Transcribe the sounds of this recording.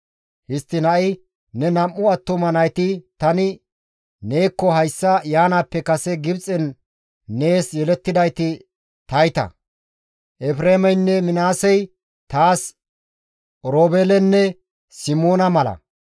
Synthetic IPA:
hɪst̪ːɪnɐʔɪ | nɛnɐmːʊɐt̪ːʊmɐnɐjt̪ɪt̪ɐnɪ | ne̞ːkːɔɦɐjsːɐjaːnaːpːɛkɐsɛɡɪbt͡sʼɛnː | e̞ːsjɛlɛt̪ːɪd̪ɐjt̪ɪ | t̪ɐjt̪ɐ̰ | ʔɛfɾeːmɛjnːɛmɪnaːsɛj | t̪aːs | ɾoːbeːlɛnːɛ | sɪmoːnɐmɐlɐ̰

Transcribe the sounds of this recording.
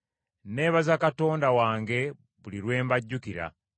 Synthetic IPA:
ne̞ːβazakato̞ːndawaːŋɡe̞ | βuliɾwe̞ːmbaɟːukiɾa̰

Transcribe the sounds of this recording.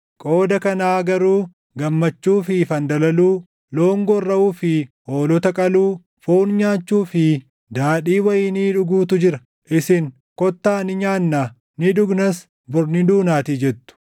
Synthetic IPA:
kʼo̞ːd̪ɐkɐnaːɡɐɾuː | ɡɐmːɐt͡ʃːuːfɪfɐnd̪ɐlɐluː | lo̞ːŋɡɔrːɐuːfɪ | o̞ːlɔt̪ɐkʼɐluː | foːnɲaːt͡ʃːuːfɪ | d̪aːᶑiːwɐjɪːniːᶑʊɡuːt̪ʊd͡ʒɪɾɐ | ʔɪsɪŋ | kɔt̪ːaːnɪɲaːnːaː | nɪᶑʊɡnɐs | bʊɾnɪd̪uːnaːt̪iːd͡ʒɛt̪ːʊ̥

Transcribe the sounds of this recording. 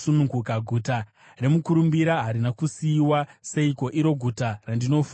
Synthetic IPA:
sunuŋɡukaɡʱuta | re̞mukuɾumbiɾaɦaɾinakusiːwase̞iko̞ʔiɾo̞ɡʱutarandino̞fu

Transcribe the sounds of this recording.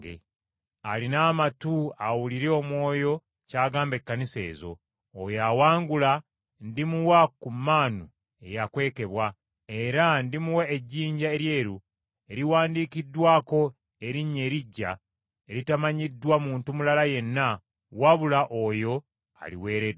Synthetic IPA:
ɡḛ | alinaːmatuawuliɾeo̞mwo̞ːjo̞ | caːɡaːmbekːanise̞̰ːzo̞̰ː | jawaːŋɡula | ndimuwakumːaːnu | e̞̰jakwe̞ːke̞βwa | e̞ɾandimuwaeɟːiːɲɟae̞ɾje̞ːɾu | e̞ɾiwaːndiːkidːwaːko̞ | e̞ɾiɲːe̞ːɾiɟːa̰ | e̞ɾitamaɲidːwamuːntumulalaje̞nːa | waβulaʔo̞ːjo̞ | a̰lḭwe̞ːɾed

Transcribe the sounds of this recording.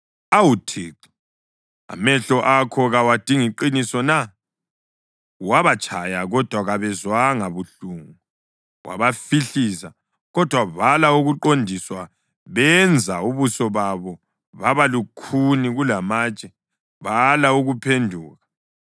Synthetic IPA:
awutʰiːǃi̥ | a̰mɛɬɔʔakʰɔɣawad̥ʱiŋiǃinisɔna | waβat͡ʃʼʰajaɣɔd̥ʱwaɣaβɛzwaŋaβuɬuŋu | wa̰βafiɬiːsa | ɣɔd̥ʱwaβalauɣuǃondʱiswa | βɛnd͡zʱauβusɔβaβɔ | βaβalukʰuniɣulamaːt͡ʃʼɛ | βalauɣupʰendʱuːɣa

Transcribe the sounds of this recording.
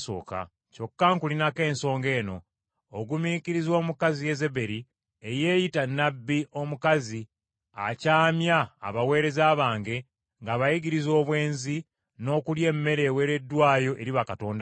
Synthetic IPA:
so̞̰ːka̰ | co̞kːaŋkulinake̞ːnso̞ːŋɡe̞ːno̞̰ː | ɡumikiɾizwo̞ːmukazije̞ze̞be̞ɾi | eje̞ːjitanːabːiʔo̞mukazi | a̰caːmja̰ːβawe̞ːɾe̞zaːβaːŋɡe̞ | ŋɡaːβajiɡiɾizo̞ːβwe̞ːnzi | no̞ːkulje̞ːmːe̞ɾe̞ːwe̞ɾe̞dːwaːjo̞ʔe̞ɾiβakato̞ːnda

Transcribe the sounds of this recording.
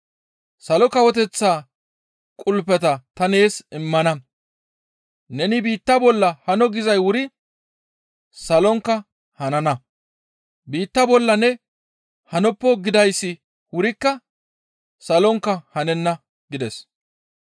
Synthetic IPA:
sɐlɔkɐwɔt̪̬ɛt͡sːaː | kʼʊlpːɛt̪ɐt̪ɐne̞ːsɪmːɐnɐ | nɛnɪbiːt̪ːɐbɔlːɐhɐnɔɡɪzɐjwʊɾɪ | sɐlɔŋkːɐ | hɐnɐnɐ | biːt̪ːɐbɔlːɐnɛ | hɐnɔpːɔɡɪd̪ɐjsːɪ | wʊɾɪkːɐ | sɐlɔŋkːɐhɐnɛnːɐ | ɡɪd̪ɛs

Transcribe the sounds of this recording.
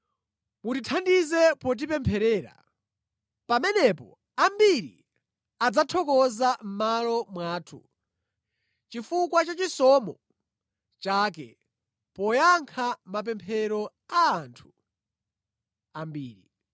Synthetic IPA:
mutitʰandizɛpɔt̬ipɛmpʰɛɾɛːɾa̰ | pamɛnɛpɔ̰ | ambiɾḭ | ad͡zatʰɔkɔzam̩malɔmwaːtʰṵ | t͡ʃifukwat͡ʃat͡ʃisɔmɔ | t͡ʃaːkɛ̰ | pɔjaŋkʰamapɛmpʰɛɾɔ | aːntʰu̥ | ambiːɾi

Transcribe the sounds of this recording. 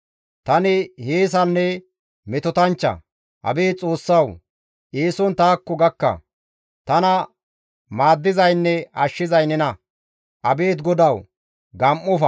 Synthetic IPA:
t̪ɐnɪheːs̬ɐnːɛ | mɛt̪ɔt̪ɐnt͡ʃːɐ̰ | ʔɐ̰beːt͡sʼo̞ːsːɐw | ʔeːsɔnt̪aːkːɔɡɐkːɐ̰ | t̪ɐnɐ | maːd̪ːɪzɐjnːɛɐʃːɪzɐjnɛnɐ | ʔɐbeːt̪̬ɡɔd̪ɐw | ɡɐmʔɔfɐ

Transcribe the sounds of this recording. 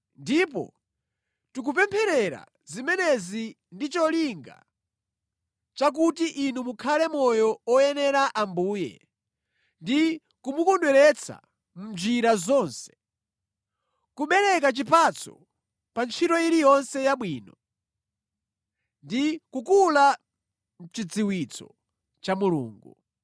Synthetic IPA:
ndipɔ̰ | tuk̬up̬ɛmpʰɛɾɛɾa̰ | zimɛnɛzi | ndit͡ʃɔliŋɡa̰ | t͡ʃak̬utiʔinumukʰalɛmɔjɔɔjɛnɛɾaʔambuːjɛ̰ | ndi | kumukɔndwɛɾɛt͡sʰa̰ | m̩d͡ʒiɾazɔnsɛ̥ | kuɓɛɾɛk̬at͡ʃipat͡sʰɔ̰ | pant͡ʃʰitɔiɾijɔnsɛjaɓwiːnɔ | ndikukula | m̩t͡ʃid͡ziwit͡sʰɔ̰ | t͡ʃamulṵːŋɡṵ

